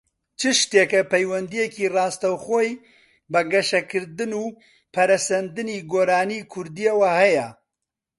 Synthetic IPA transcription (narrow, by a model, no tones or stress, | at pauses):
t͡ʃʰɨʃt̪eːkɐpʰɐjwɐnd̪ijɛkirɑːst̪ɐwxoːj | bɐɡɐʃɐkʰɨɾd̪ɨnuː | pʰɐɾɐsɐnd̪ɨniːɡoːɾaːniːkʰʊɾd̪ijɐwahɛjɐ